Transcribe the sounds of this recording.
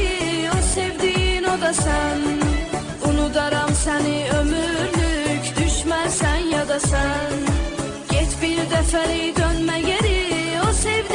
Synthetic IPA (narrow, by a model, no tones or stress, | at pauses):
osevd̪inod̪ɑsæn | unud̪ɑɾɑmsɛniø̞myɾlycd̪yʃmæɾsænjɑd̪ɑsæn | ɟ̥ɛt̪biɾd̪ɛfælid̪ønmæɟeɾiosɛvd̪